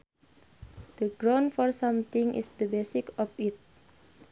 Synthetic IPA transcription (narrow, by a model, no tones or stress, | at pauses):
d̪̥əɡɾãnfɔrsãmt̪ɪ̃ŋʔḭsd̪əbesɪkɔfit̪̚